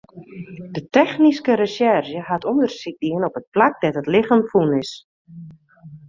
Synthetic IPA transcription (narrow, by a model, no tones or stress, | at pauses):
dətɛxniskəɾəsɛrʒəhatʰɔndərsik̚diənɔpət̚plak̚dɛtɦətlɪχənfunɪs